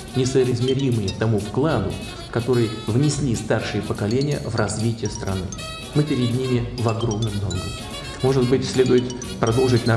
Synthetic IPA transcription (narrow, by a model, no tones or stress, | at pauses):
nʲɪsəɾɪzʲmʲɪɾʲimɨjɪt̪ɐmufklˠanʊ̰ | kɐt̪o̞ɾɨjvnʲɪsʲlʲist̪arʂɨjəpəkɐlʲenʲɪjə̰vrɐzvʲitʲɪjəst̪ɾɐ̰nɨ̰ | mɨpʲɪɾʲɪdʲnʲimʲɪvɐɡro̞mnɨmnomɡʲɪ̰ | mo̞ʐɨd̪̚bɨtʲsʲlʲe̞d̪ʊjɪt̪ | pɾɐd̪o̞lˠʐɨt̚ʲnɐ